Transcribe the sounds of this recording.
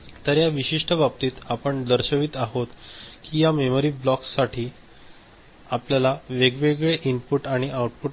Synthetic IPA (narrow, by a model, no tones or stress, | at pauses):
t̪əɾjaʋiɕiʂʈəbap̚t̪iːt̪apəɳd̪əɾɕəʋiːt̪aɦot̪kijamemoɾiːblɔksːaʈʰiː | apljalaʋeɡʋeɡɭeʔimpuʈaɽ̃iʔauʈ̚pu